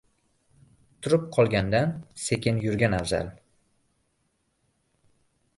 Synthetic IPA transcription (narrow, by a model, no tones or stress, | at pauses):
t̪ʰʊɾɪp̚qʰɒlˠɡʲand̪anse̞kʲɪnjʊɾɡʲanavza̰l